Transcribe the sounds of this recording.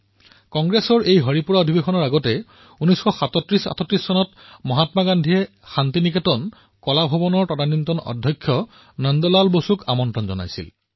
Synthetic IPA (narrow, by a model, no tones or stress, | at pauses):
kɔŋɡɹesɔɹejɦɔɹipuɹaodʱibexɔnɔɹaɡɔtɛ | unijsxɔxatɔtɹisa̰tʰɔtɹisːɔnɔt | mɔɦatmaɡandʱiɛ | xantiniketɔn | kɔlabʱɔbɔnɔɹtɔdanintɔnɔ̰dʱjɔkʰːjɔ | nəndɔlalbosuka̰mɔntɹɔnzɔ̰na̰jsḭl